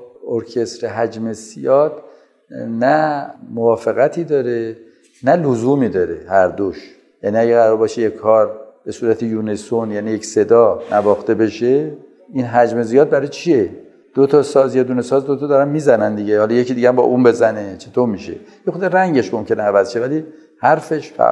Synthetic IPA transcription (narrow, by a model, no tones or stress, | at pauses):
oɾcʰe̞st̪ɾeɦæd͡ʒme̞zijɒːd̪̥ | næmovɒːfe̞ɣæt̪ʰiːd̪ɒːɾe | nælozuːmiːd̪ɒːɾe̞hæɾd̪oʃ | jæniæɟeɣæɾɒɾbɒːʃejekʰːɒːɾb̥e̞suːɾæt̪ʰejuːnesonjæːnijecse̞d̪ɒːnʔævɒːxt̪e̞be̞ʃe | inɦæd͡ʒme̞zijɒːd̪̚bæɾɒjt͡ʃʰie̞ | d̪̥ot̪ʰɒsɒːzjed̪uːne̞sɒːzd̪ot̪ʰɒd̪ɒːɾænmiːzænænd̪iɟe̞hɒlɒjecʰiːd̪iɟæmbɒ̰ʔumbe̞zæne̞t͡ʃʰe̞̥t̪ʰoɾmiʃe̞̰jexod̪æɾæŋɟe̞ʃmo̞mcʰe̞neævæzʃevæli | hæɾfe̞ʃfæ̰